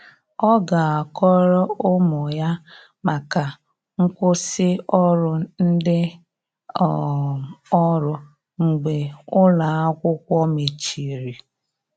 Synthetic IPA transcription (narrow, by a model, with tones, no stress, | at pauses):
ɔ˦ɡa˨a˨kɔ˦ɾɔ˦ʊ˦mʊ˨ja˦ | ma˨ka˨ | ŋ̩˦kʷʊ˦sɪ˦ɔ˦ɾʊ˨n̩˦dɪ˦˨ | ɔ˦ɾʊ˨ | ŋ̩˨ɡ͡be˨ʊ˦la˨a˦kʷʊ˦kʷɔ˦me˨t͡ʃi˨ɾi˨